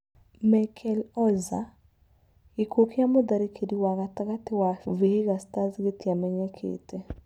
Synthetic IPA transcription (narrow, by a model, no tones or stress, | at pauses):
makʰɛlɔza | ikokjamod̪aɾikʰediwaɣataɣatɪwavehiɣastazɡetiamɛɲɛkʰḛte